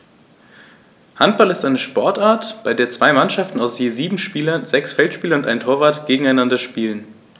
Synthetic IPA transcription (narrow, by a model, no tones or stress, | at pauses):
hantb̥alɪstʔaɪnəʃpɔɐtʔaːɐtb̥aɪdeːɐt͡sv̥aɪmanʃaftn̩aʊsjeːziːbm̩ʃpiːlɐnzɛksfɛltʃpiːlɐʊntʔaɪntʰoːɐvaːɐtɡ̥eːɡŋ̩aɪnandɐʃpiːlən